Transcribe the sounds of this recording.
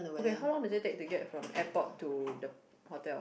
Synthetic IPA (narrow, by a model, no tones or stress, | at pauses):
okeɦawlɔ̃ŋdudetek̚tuɡɛt̚fɹɔ̃mɛpɔt̚tːudə | hɔtɛl